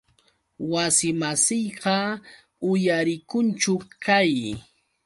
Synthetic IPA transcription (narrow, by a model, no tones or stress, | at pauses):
wasɪmasɪjɢɑ | ʊjaɾɪkʊnt͡ʃʊkaj